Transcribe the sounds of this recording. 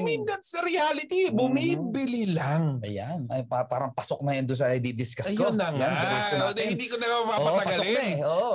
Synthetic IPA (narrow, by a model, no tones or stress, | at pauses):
mɪnd̪ɐt̪̚sɐɾɪalɪt̪ibʊmiːbɪlilaŋʔɐ̰janɐjpapaːɾɐŋpɐsok̚nɐjond̪ʊnsɐɪd̪id̪ɪskɐsjkonlɐŋaikonod̪ɛhɪnd̪iːkonɐɡamɐmaobɐɐpɐɡɐsonɐɛʔoʔ